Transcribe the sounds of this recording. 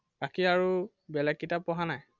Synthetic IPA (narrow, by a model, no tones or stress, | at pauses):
b̥akiaɹu | bɛlɛk̚ːitapɔɦanaj